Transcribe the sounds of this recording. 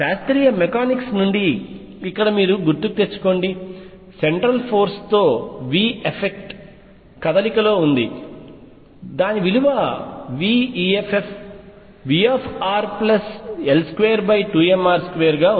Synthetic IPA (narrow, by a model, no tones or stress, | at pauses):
ʃaːst̪ɾiːjɐmekaːniksnuɳɖiː | kːɐɽɐmiːɾuɡuɾt̪ukut̪e̞t͡ʃːu̥ko̞ːɳɖi | seɳʈɾɐlpʰo̞ːɾst̪o̞ːʋiːepʰek̚ʈ | kɐd̪ɐlikɐlo̞ːund̪i | d̪aːniʋiluʋɐʋiːiːepʰepʰ | ʋiːaːpʰaːɾplɐselskʋeːjɐɾbɐjʈuːemaːɾskʋeːɐɾɡaː